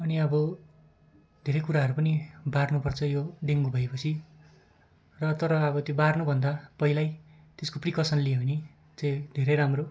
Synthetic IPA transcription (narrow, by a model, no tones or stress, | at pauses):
ʌniʌbʌ | d̪ʱeɾʌjkuɾaɦʌɾupʌnibarnupʌrt͡sʰʌjoɖeŋɡubʱʌepʌt͡sʰi | rʌt̪ʌɾʌːbʌt̪jobarnubʱʌnd̪apʌɦilaj | t̪eskoprikʌsʌnlijeɦʌni | t͡sʌj̃d̪ʱeɾeɾamro